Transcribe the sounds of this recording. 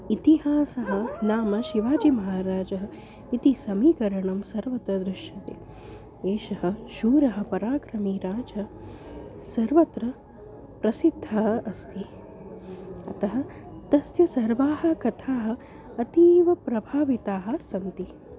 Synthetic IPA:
it̪iɦaːsɐɦɐ̆naːmɐʃiʋaːd͡ʒimɐɦaːɾaːd͡ʒɐɦɐ | it̪isɐmiːkɐɾɐɳɐmsɐɾʋɐt̪ɾɐd̪ɾɪʃjɐt̪ḛː | eːʃɐɦɐ̆ʃuːɾɐɦɐ̆pɐɾaːkɾɐmiːɾaːd͡ʒɐ | sɐɾʋɐt̪ɾɐ | pɾɐsid̪ʱːɐɦɐʔɐst̪ʰi | ɐ̰t̪ɐɦɐ̆t̪ɐsjɐsɐɾʋaːhɐ̆kɐt̪ʰaːɦɐ̆ | ɐt̪iːʋɐpɾɐbʱaːʋit̪aːɦɐ̆sɐnt̪i

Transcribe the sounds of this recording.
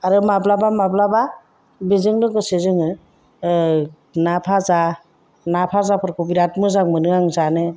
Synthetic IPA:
aɾɯmablabamablaba | bizɯŋlɯɡɯsezɯŋɯ | napʰaza | napʰazapʰɯɾkubiɾatmɯzaŋmɯnɯŋaŋzanɯ

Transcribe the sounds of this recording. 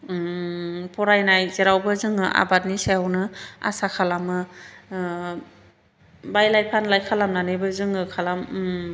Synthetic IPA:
pʰɔɾajnajzeɾawbɯzɯŋɯʔa̰bat̚niseawnɯa̰sakʰalamɯ | bajlajpʰanlajkʰalamnanɯbɯzɯŋɯkʰalam

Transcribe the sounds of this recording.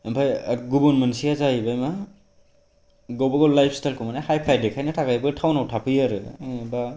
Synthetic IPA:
empʰajɡubunmensiazajibajma | ɡowbaɡolajpʰstajlkʰumanahajpʰajdekʰajnatʰakajbɯɡtʰawnawtʰapʰɯjaɾɯba

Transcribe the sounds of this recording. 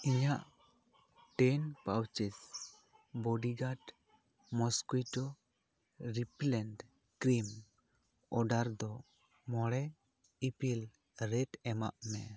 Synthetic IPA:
iɲaʔ | ʈɛnpawt͡ʃis | bɔɖiɡaʈ | mɔskijʈɔ | ɾiplɛnɖ | kɾim | ɔɖaɾd̪ɔ | mɔɽɛ | ipil | ɾɛʈɛma̰ʔmɛ

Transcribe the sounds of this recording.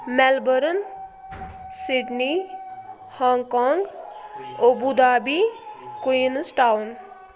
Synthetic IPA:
mɛlbəɾən | siʈni | haːŋɡkaːŋɡ | obud̪aːbikuinsʈawʊn

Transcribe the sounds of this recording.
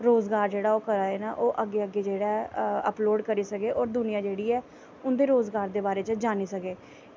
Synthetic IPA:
ɾoːzɡaːɾd͡ʒeːɽaːoːkəɾaːeːna̰ːʔoːʔəɡːeːəɡːeːd͡ʒeːɽaːɛə̰ploːɖkəɾiːsəkeːʔɔːɾd̪ʊnɪjãːd͡ʒeːɽiːɛː | ʊnd̪eːɾoːzɡaːɾd̪eːbaːɾeːt͡ʃəd͡ʒaːniːsəkeː

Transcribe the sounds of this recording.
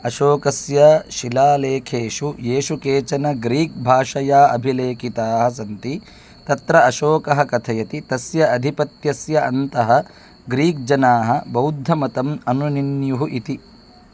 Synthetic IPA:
ɐʃoːkɐsjɐʃilaːleːkʰeːʃujeːʃukeːt͡ʃɐnɐɡɾiːk̚bʱaːʂɐjaːʔɐbʱileːkit̪aːɦɐs̬ɐnt̪i | t̪ɐt̪ɾɐɐʃoːkɐɦɐkɐt̪ʰɐjɐt̪it̪ɐsjɐɐd̪ʱipɐt̪jɐsjɐʔɐnt̪ɐɦɐ | ɡɾiːk̚d͡ʒɐnaːɦɐbɐwd̪ʱːɐmɐt̪ɐmɐnuninjuɦuʔit̪i

